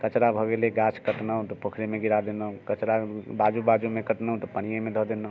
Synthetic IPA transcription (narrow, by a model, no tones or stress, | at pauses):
kət͡ʃɾabʱɔɡeleɡat͡ʃʰkəʈnəɦũt̪ɔpokʰɾemeɡiɾad̪enəũkət͡ʃɾabad͡ʒubad͡ʒumekəʈnəɦũt̪ɔpənijemed̪ʱɔd̪enəɦu